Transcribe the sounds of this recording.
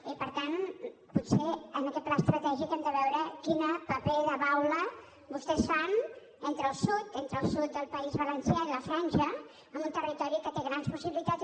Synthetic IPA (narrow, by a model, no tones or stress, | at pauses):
ipəɾt̪an | put̪seənəkɛt̪̚plaəst̪ɾət̪ɛʒikɛmd̪əβɛwɾəkinəpəpeðəβawlə | bust̪ɛsfan | ent̪ɾəlˠsut̪ent̪ɾəːlˠsut̪̚d̪əlˠpəizβələnsjailəfɾansə | əmbunt̪ərit̪ɔɾikət̪eɣɾanspusiβilit̪at͡s